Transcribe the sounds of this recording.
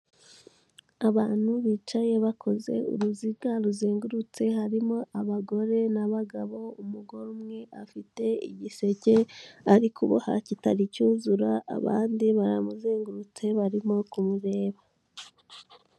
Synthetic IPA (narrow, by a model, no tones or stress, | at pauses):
aβaːn̥huβiːt͡ʃaje̞βakʰo̞ze̞̰ṵɾuzibɡaɾuzeːŋɡuɾut͡se̞haɾimo̞ʔaβaɡo̞ɾe̞naβaɡaβo̞umuɡo̞ɾumŋe̞ʔafite̞ḭɟise̞ɟe̞aɾikʰuβo̰ha̰citaɾicuːzuɾaa̰βa̰ːndiβaɾa̰muzeːŋɡuɾut͡se̞βaɾimo̞kumuɾe̞ːβa